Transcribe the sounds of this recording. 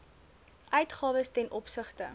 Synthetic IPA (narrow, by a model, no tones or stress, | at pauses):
ʔœɥtχɑːvəstɛnʔɔpsəχtə̰